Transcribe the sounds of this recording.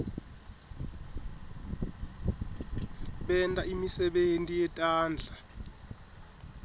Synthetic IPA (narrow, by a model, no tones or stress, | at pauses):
ɓɛntʼaimisɛɓentʼijɛtʼaːnd͡ɮʱa